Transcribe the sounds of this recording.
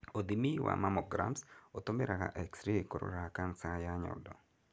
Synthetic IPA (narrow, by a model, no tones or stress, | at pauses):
od̪imiwa̰mamɔɡɾa̰msot̪omeɾaka̰ʔɛksɾiko̰ɾo̰ɾakansajaɲɔ̰dɔ